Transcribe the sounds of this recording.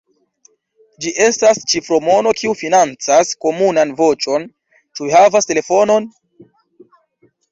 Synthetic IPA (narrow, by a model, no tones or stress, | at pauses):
d͡ʒiʔe̞stast͡ʃifɾo̞mo̞no̞kiufinant͡sasko̞munanvo̞t͡ʃo̞n | t͡ʃuihavaste̞le̞fo̞no̞n